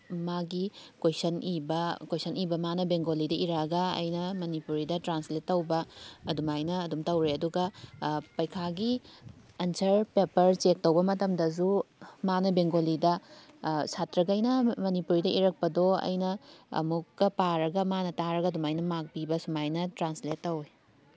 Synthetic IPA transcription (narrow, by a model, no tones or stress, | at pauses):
maɡikojsɐnibɐkojsʰɐnibɐmanɐbeŋɡolidɐʔiɾɐɡɐɐ̰jnɐmɐnipuɾidɐtɾansletːɐwbɐːdumajnɐːdumtɐwɾeɐduɡɐpɐjkʰaɡi | ɐnsʰɐɾpepɐɾt͡ʃek̚tɐwbɐmɐtɐmdɐzumanɐbeŋɡolidɐ | satɾɐɡɐjnɐmɐnipuɾidɐʔiɾɐk̚pɐdoɐ̰jnɐɐ̰mukːɐpaɾɐɡɐmanɐtaɾɐɡɐdumajnɐmak̚pibɐsumajnɐtɾansletːɐwe